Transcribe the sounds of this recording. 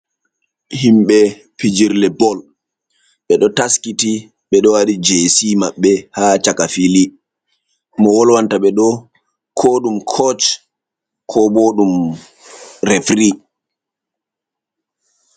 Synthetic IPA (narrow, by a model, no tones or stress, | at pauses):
himɓɛ | pid͡ʒiɾlɛbɔl | ɓɛɗɔtaskiti | ɓɛɗɔwaɗid͡ʒeːsimaɓːɛhaːt͡ʃakafili | mɔwɔlwantaɓɛɗɔ | kʰoːɗumkʰɔt͡ʃ | kʰɔboːɗum | ɾefɾi